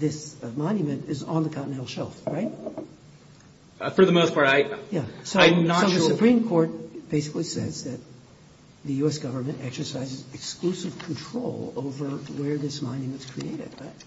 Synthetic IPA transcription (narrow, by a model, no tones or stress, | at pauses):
ðɪsmɑ̃njɨmɨ̃ntɨzn̩ðɨkʰãʊ̃ʔnɛlˠʃɛlˠfɹaɪt̚ | fə˞ðəmoʊspʰɑɹɾaɪjæsoʊ̃nəsoʊðɨssɨpʰɹ̥ĩmkʰɔɹt̚b̥eɪsɨ̥klisɛzðɨt̪̚ | ðɨjʉɛsɡ̥ʌvə˞mɨ̃ntɛksə˞saɪzɨzɨksklusɨv̥kʰn̩tʰɹ̥oʊlˠo̰ʊvə˞wə˞ðɪsmɑ̃njɨmɨ̃ntskʰɹ̥ieɪɾɨ̰d̚bʌt̚